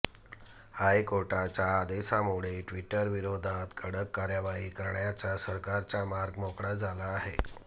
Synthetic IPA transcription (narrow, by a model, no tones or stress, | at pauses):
hajkoɾʈat͡saːd̪esamuɽ̤eʈʋiʈəɾʋiɾod̪ʱat̪kʰəɽəkːaɾjaʋaɦiːkəɾɳjat͡sasəɾkaɾt͡samaɾɡmokɽad͡zʱalaːɦe